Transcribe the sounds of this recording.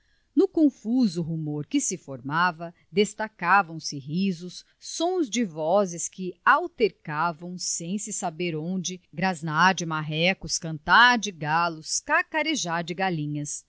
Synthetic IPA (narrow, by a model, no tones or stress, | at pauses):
nʊkõfuzʊɦumoɾkɪsɪfoɾmavɐ | d̪est̪akavɐ̃w̃sɪɦizʊsː | õzd͡ʒɪvɔzɪskɪawt̪eɾkavɐ̃w̃sẽj̃sɪsabeɾõd͡ʒɪɡɾaznaɾd͡ʒɪmaɦɛkʊskɐ̃nt̪aɾd͡ʒɪɡalʊskakaɾeʒaɾd͡ʒɪɡalĩɲɐs